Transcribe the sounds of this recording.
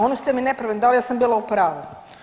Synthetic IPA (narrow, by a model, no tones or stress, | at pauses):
onost̪eminepɾaʋend̪aljaːsambiːlˠaupɾaːʋu